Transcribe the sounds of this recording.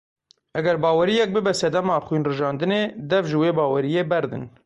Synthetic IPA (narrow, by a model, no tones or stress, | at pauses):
ʔɛɡɛɾbɑːwɛɾijɛk̚bɨbɛsɛd̪ɛmɑːxwinrɨʒɑːnd̪ɨneːd̪ɛvʒɨweːbɑːwɛɾijeːbɛɾd̪ɨ̰n